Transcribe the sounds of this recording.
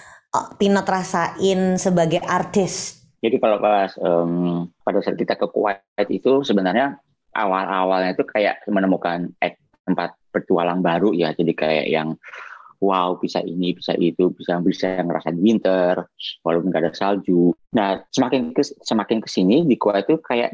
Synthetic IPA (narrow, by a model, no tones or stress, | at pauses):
pinət̪rasaʔɪnsəbaɡajʔart̪ɪs | d͡ʒadikalabaasəmpadasat̪̚kit̪akəkṵa | t̪it̪usəbənarɲa | ʔa̰walʔawalɲait̪ukaja̰ʔmənəmukanɛt̪̚ːəmpat̪̚pərt̪ualanbaɾujad͡ʒadikaja̰ʔja̰ŋ | waupisa̰ʔinipisa̰ʔit̪ubisajŋbisajaŋɾa̰sadiwint̪ərwaloʊnŋɡadaŋsald͡ʒunahsəmakɪnkəsəmakɪnkə̥sinidikwait̪ːukaja̰ʔ